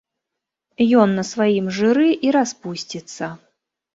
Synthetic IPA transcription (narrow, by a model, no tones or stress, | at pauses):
jɔnːɐsvajimʐɨɾɨʔiɾaspusʲt͡sʲit̪sːɐ